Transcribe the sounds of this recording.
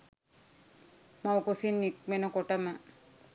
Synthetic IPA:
mawkosinːik̚menokoʈama

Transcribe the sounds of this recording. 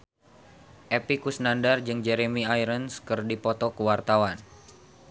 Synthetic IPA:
ʔepikusnandard͡ʒɨŋd͡ʒɛɾemiajɾənskɨrdipɔt̪ɔkəwart̪awan

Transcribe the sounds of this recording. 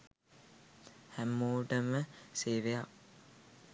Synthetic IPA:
hæmːuːʈəməseːʋejak

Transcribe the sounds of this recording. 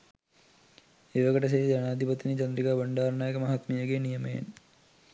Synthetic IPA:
eːʋɐkəʈəs̬ed͡ʒanaːd̪ʱipɐt̪ːinit͡ʃɐnd̪ɾikaːbəɳɖaːɾnaːjəkəmɐɦat̪mijəɡeːnijəmḛj̰n

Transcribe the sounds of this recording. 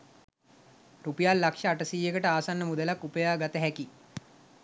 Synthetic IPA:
rupijalːakʂəːʈəsiːjekəʈəaːsanːəmud̪əlakːupəjaːɡat̪əɦɛki

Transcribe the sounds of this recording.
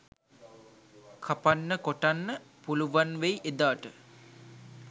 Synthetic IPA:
kʰapanːəkoʈanːəpuluʋanʋejʔed̪aːʈə

